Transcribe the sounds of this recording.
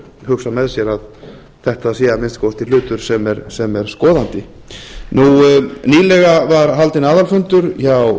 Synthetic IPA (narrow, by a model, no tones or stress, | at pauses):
hʏksamɛðsjɛɾað | θɛht̪aðsiːjamɪnst̪kʰowst̪ɪlʏːt̪ʏɾ̥sɛmɛɾsɛmɛɾ̥skɔːðant̪ɪ | nuniːlɛɣavaɾɦalt̪ɪnaːðalfʏnt̪ʏɾjaw